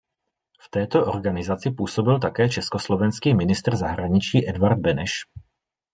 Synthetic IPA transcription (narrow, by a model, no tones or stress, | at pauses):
ft̪ɛːt̪oʔoɾɡanɪzat͡sɪpuːsobɪlt̪̬akɛːt͡ʃɛskoslovɛnskiːmɪnɪst̪r̩zaɦɾaɲɪt͡ʃiːʔɛd̪vaɾd̪̚bɛnɛʃ